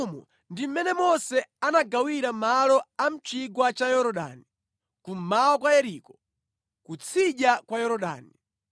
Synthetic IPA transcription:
mɔ̰ | ndim̩mɛnɛmɔsɛanaɡawiɾamalɔam̩t͡ʃiɡwat͡ʃajɔɾɔɗa̰ni | kum̩maɔkwajɛɾikɔ | kut͡sʰiɗakwajɔɾɔɗa̰ːni

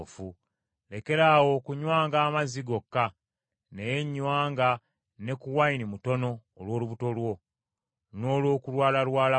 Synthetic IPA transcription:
fu | le̞ke̞ɾaːwo̞kuɲwaːŋɡaːmaziɡo̞kːa | ne̞je̞ɲːwaːŋɡa | ne̞kuwainimuto̞no̞ːlwo̞ːluβuto̞lwo̞ | no̞ːlwo̞ːkulwaːlalwaːla

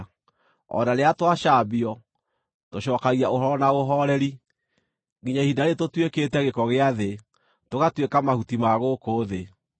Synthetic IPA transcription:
ɔ̰naɾeatwaʃabiɔ | toʃɔːkaɣiaoɦɔɾɔnaoɦɔɾɛɾi | ɣiɲahidaɾetotweketɛɣekɔɣeaðe | toɣatwekamahutimaɣokoːðe

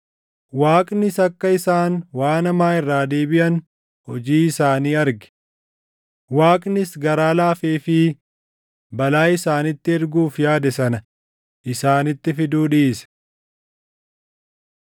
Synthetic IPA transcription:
waːkʼnɪsɐkːɐɪsaːnwaːnɐmaːɪrːaːd̪eːbɪʔɐn | hɔd͡ʒiːɪsaːniːɐɾɡɪ̥ | waːkʼnɪsɡɐɾaːlaːfeːfɪ | bɐlaːɪsaːnɪt̪ːɪɪɾɡuːfjaːd̪ɛsɐnɐ | ʔɪsaːnɪt̪ːɪfɪd̪uːᶑɪɪs

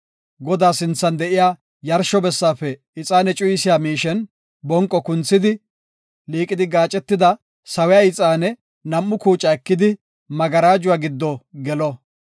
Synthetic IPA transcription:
ɡɔd̪aːsɪnt͡sːɐnd̪ɛʔɪjaː | jɐɾʃɔbɛsːaːfɛ | ɪt͡sʼaːnɛt͡ʃʼʊjsɪjaːmiːʃɛn | bɔŋkʼːɔkʊnt͡sːɪd̪ɪ | liːkʼɪd̪ɪɡaːt͡ʃʼɛt̪ːɪd̪ɐ | sɐwɛjaːɪt͡sʼaːnɛ | nɐmːʊkuːt͡ʃʼːɐɛkːɪd̪ɪ | mɐɡɐɾaːd͡ʒʊwaːɡɪd̪ːɔɡɛlɔ

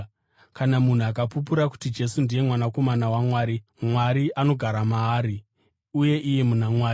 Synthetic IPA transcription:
kanamun̤uakapup̬uɾaku̥tid͡ʒe̞sundije̞mwanako̞manawamwaːɾi | mwaɾiʔano̞ɡʱaɾamaːɾi | uje̞ʔije̞munamwaːi

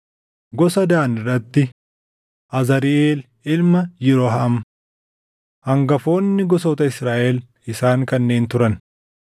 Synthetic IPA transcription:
ɡɔsɐd̪aːnɪrːɐt̪ːɪ | ʔɐzɐɾɪʔeːl | ɪlmɐjɪɾɔɦɐɐm | hɐŋɡɐfo̞ːnːɪɡɔsɔt̪ɐɪsɾaːʔɛl | ɪsaːŋkɐnːe̞ːnt̪ʊɾɐn

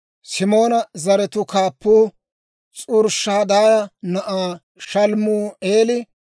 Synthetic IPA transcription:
sɪmo̞ːnɐzɐɾɛt̪ʊkaːpːuː | t͡sʼʊɾʃːaːd̪aːjɐnɐʔaː | ʃɐlmuːeːlɪ

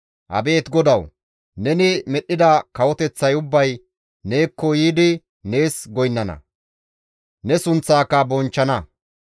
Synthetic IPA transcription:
ʔɐ̰be̞ːt̪ɡɔd̪ɐw | nɛnɪmɛɗːɪd̪ɐkɐwɔt̪ɛt͡sːɐjʊbːɐj | ne̞ːkːɔjiːd̪ɪ | ne̞ːsɡɔjnːɐnɐ̰ | nɛsʊnt͡sːaːkːɐbɔnt͡ʃːɐnɐ

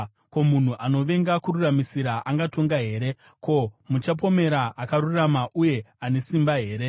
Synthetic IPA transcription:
ko̞mun̤uʔano̞ʋe̞ŋɡakururamisiɾaʔaŋɡato̞ŋɡaɦe̞ːɾe̞ | ko̞mut͡ʃap̬o̞me̞ɾaʔakaɾuramaʔuje̞ane̞simbaɦe̞ːɾe̞

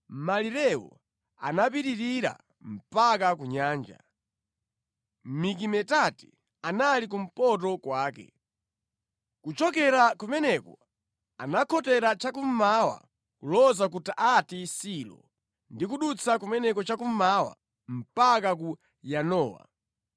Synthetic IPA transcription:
maliɾɛwɔ̰ | a̰napiɾiɾiɾa̰ | m̩pakakuɲaːnd͡ʒa̰ | mik̬imɛtati̥ | analik̬um̩pɔt̬ɔkwaːkɛ̰ | kut͡ʃɔk̬ɛɾakumɛnɛkɔ | anakʰɔtɛɾat͡ʃakum̩mawa̰ | kulɔzakutaʔatisilɔ̰ | ndik̬uɗut͡sʰakumɛnɛkɔt͡ʃakum̩mawa̰ | m̩pakak̬u | janɔːwa̰

